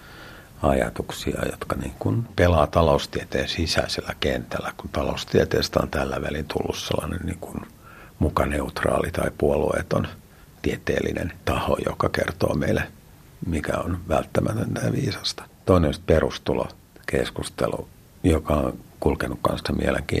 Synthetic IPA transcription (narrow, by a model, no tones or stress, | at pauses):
ɑjɑ̰t̪uksiɑ̰jot̪kɑniːŋkunpelɑːt̪ɑloust̪iet̪eːnsisæiselːækent̪ælːækunt̪ɑloust̪iet̪eːst̪æo̰nt̪ælːæʋælint̪ʰulːusselːɑnenniːŋkun | mukɑneut̪rɑ̰ːlit̪ɑipuoluḛt̪on | t̪iet̪ḛːlːḭnḛnt̪ɑhojo̰kɑkert̪o̰ːmeile | mikæonʋælt̪ːæmæt̪ønt̪æʋiːsɑ̥st̪ɑ̥t̪oinenost̪perust̪ulo̰ | kḛskust̪elu | jokɑonkulkenukkɑ̃nssemieleŋkḭː